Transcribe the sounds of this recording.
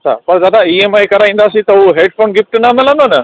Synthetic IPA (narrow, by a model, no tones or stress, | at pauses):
ɐt͡ʃʰa̰pəɾd͡ʒad̪aiemajkəɾaj̃nd̪aːsit̪ɔwɦeɖ̚pʰonɡip̚ʈənaməland̪ɔna